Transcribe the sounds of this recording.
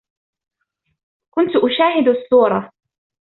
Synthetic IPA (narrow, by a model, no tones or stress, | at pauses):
kʊnt̪ʊʔʊʃaːɦɪd̪asˤːuːɾˤɑ